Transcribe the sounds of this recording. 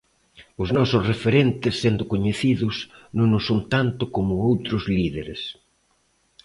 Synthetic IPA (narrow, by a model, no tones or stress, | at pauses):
ʊznɔsʊsrefeɾent̪ɪsːend̪ʊkoɲeθiðʊsnõŋnʊsont̪ant̪ʊkomʊowt̪ɾʊzliðeɾḛs